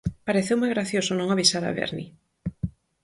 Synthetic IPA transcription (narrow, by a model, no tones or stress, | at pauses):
paɾeθewmojɣɾaθjosonõŋaβisaɾa̰βḛɾnḭ